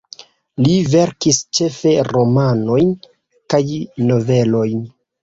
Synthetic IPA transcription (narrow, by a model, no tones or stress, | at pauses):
live̞ɾkist͡ʃe̞fe̞ɾo̞mano̞jn | kajno̞ve̞lo̞jn